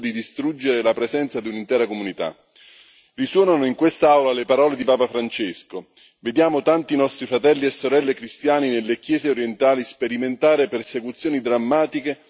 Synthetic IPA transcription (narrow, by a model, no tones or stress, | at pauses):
d̪id̪ist̪ɾud͡ʒːeɾelapɾezɛnt̪sad̪iunint̪ɛːɾakomunit̪a̰ | riswɔːnanoiŋkwest̪aawlalepaɾɔːled̪ipaːpafɾant͡ʃesko | ved̪jaːmot̪ant̪inɔst̪ɾifɾat̪ɛlːiesːoɾɛlːekɾist̪jaːninelːekjɛːzeoɾjent̪aːlispeɾiment̪aːɾepersekut̪sːjoːnid̪ɾamːaːt̪ike